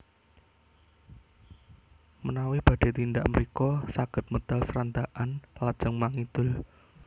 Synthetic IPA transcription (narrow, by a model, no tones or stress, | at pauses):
mənawib̥a̤ɖ̥e̤t̪ind̪aʔməɾikɔsaɡ̥ə̤t̪̚mət̪alsəɾand̪aʔanlad̥d͡ʒ̥ə̤ŋmaŋid̪̥ʊ̤l